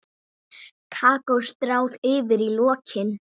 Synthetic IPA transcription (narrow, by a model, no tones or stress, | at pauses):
kʰaːkɔwst̪ɾaːwðɪːvɪɾilɔːcʰɪn